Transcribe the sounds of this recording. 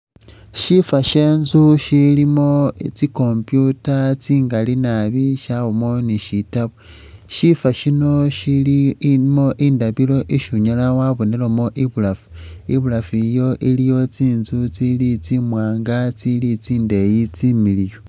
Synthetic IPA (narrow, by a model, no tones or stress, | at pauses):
ʃifaʃe̞ːnzuʃilimo̞t͡siko̞mpjutat͡siːŋɡalinaβiʃawomo̞niʃitaβo | ʃifaʃino̞ʃilimo̞ʔiːndaβilo̞ʔiʃuɲalawaβonelomo̞ʔiβulafu̥iβulafijo̞ʔilijo̞t͡siːnzut͡silit͡simwaːŋɡat͡silit͡siːnde̞jit͡similijo